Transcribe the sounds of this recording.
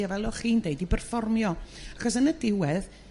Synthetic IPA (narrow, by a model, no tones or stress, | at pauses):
avɛlˠɔχiːndeɨdibərfɔrmjɔaχɔsənədɪwɛð